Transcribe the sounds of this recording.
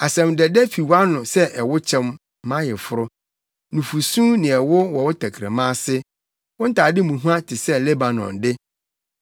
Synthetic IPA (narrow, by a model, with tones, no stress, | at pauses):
a˨sɛ̃˨mdɛ˨dɛ˦fi˨wa˦nʊ̃˨sɛ˦ʔɛ˨wʊ˦t͡ɕʰɛ̃˦m˦ | mã˦jɛ˨fʊ˦ɾʊ˦ | nũ˨fu˨sũ˦nɪ̃˨ɛ˨wʊ˦wɔ˨wʊ˦tʰæ˨kʰɾa̰˨mãː˦sɪ˦ | wɔ̃˦n̩˦tʰaː˨dɪ˦mũ˨ɦu˦ã˦tʰɪ˨sɛ˦le˦ba˨nɔ̰̃˨ndɪ˦